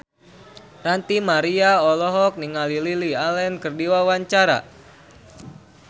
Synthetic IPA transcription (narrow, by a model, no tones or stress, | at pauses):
rant̪imaɾiaɔlɔɦɔk̚niŋalililialɛnkərdiwawaɲt͡ʃaɾa̰